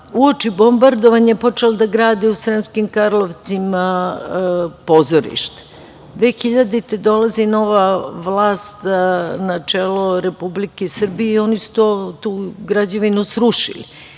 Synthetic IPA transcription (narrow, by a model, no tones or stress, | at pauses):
uot͡ʃibo̞mbaɾd̪oʋaɲaepo̞t͡ʃelod̪aɡɾaːd̪iusɾemskimkaɾlˠoʋt̪sima | po̞zoɾḭʃt̪ḁ | d̪ʋexiʎad̪it̪ed̪o̞lazino̞ʋaʋlˠaːst̪nat͡ʂeːloɾepublikesr̩bijeio̞nisu̥t̪o̞t̪uːɡɾad͡ʑaʋinusɾuʃḭlḭ